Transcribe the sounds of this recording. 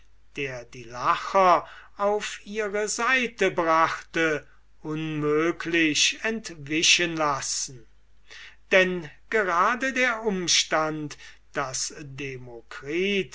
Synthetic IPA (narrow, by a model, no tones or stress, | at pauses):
d̥eːɐdiːlaxɐaʊfiːʁəzaɪtəbʁaχtə | ʔʊnmøːkʰlɪɕɛntvɪʃənlasn̩ | d̥ɛnɡ̥əʁaːdədeːɐʔʊmʃtant | d̥asdemokʁ̥iːt